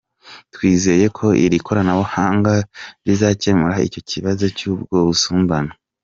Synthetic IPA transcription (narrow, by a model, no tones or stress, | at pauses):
twiːze̞je̞kʰo̞ʔḭɾikʰo̞ɾanaβohaːŋɡaɾizace̞muɾaḭco̞ciβazo̞cuːbɡo̞ːβusuːmbano